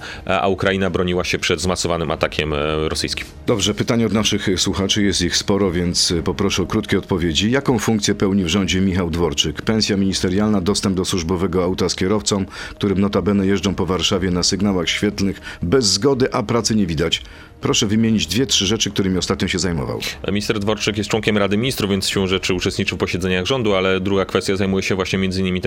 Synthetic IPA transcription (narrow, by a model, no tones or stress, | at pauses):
a̰ukɾajinabɾɔɲiwaɕɛpʂɛd̪zmasɔvanɘma̰t̪akʲɛmɾɔsɘ̰jskʲi̥md̪ɔbʐɛpɘt̪aɲɛɔd̪naʂɘxswuxat͡ʂɘjɛst̪ixspɔɾɔvʲjɛnt̪spɔpɾɔʂɛɔkɾut̪kʲejɔt̪pɔvʲjed͡ʑijakɔ̃w̃fuŋkt̪sʲjɛpɛwɲivʐɔɲd͡ʑɛmʲixawd̪vɔɾt͡ʂɘkpɛñsʲjamʲiɲist̪ɛɾjalnad̪ɔst̪ɛmbd̪ɔswuʐbɔvɛɡɔawt̪askʲɛɾɔft̪sɔ̃m̃k̚t̪uɾɘmnɔt̪abɛnɛjɛʐd͡ʐɔ̃w̃pɔvaɾʂavʲjɛnasɘɡnawaxɕfʲjɛt̪nɘxbɛzːɡɔd̪ɘʔapɾat̪sɘɲevʲid̪at͡ɕ | pɾɔʂɛvɘmʲjeɲid͡ʑd̪vʲjɛtʂɘʐɛt͡ʂɘkt̪uɾɘmʲiɔst̪at̪̚ɲɔ̃ɕɛzajmɔ̰va̰wmʲist̪ɛɾd̪vɔɾt͡ʂɘkjɛst̪̚t͡ʂwɔŋkʲɛmɾad̪ɘmʲiɲist̪ɾuvjɛnt̪sɕʲɛ̃w̃ʐɛt͡ʂɘut͡ʂɛst̪ɲit͡ʂɨwfpɔɕɛd̪zɛɲaɣʐɔnd̪ualɛd̪ɾuɡakfɛst̪ʲjazajmujɛɕɛvwaɕɲɛmʲjɛnzɘiɲːɘimit̪ɛ